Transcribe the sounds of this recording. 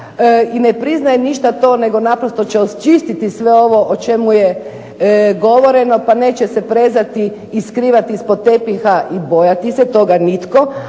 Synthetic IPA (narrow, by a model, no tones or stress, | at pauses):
inepɾiznajeniʃt̪at̪o̞ːne̞ɡo̞napɾost̪o̞t͡ɕeost͡ʃist̪it̪isʋeo̞ʋo̞ʔot͡ʃe̞muje | ɡo̞ʋo̞ɾe̞no̞paneːt͡ɕesepɾe̞zat̪iː | skɾiːʋat̪iispod̪̚t̪e̞pixaʔibojat̪iset̪o̞ɡanit̪ko̞